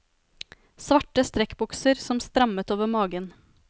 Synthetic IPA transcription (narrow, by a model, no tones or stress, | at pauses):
sʋɑʈəst̪ɾɛkbʊksəɾsɔmst̪ɾɑmət̪oːʋəmɑːɡən